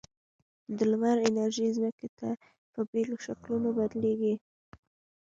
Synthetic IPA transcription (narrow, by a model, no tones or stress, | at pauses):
d̪əlwaɾɪnaɾʒizməket̪a | pəbeloʃaklunobad̪leɡi